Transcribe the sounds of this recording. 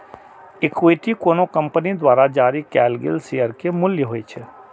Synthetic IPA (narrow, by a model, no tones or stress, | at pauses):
ekweːʈikoːnokə̃mpnid̪waːɾad͡ʒaːɾikɛːlɡɪ̰lseːəɾkemʊljəɦoːit͡ʃʰɛ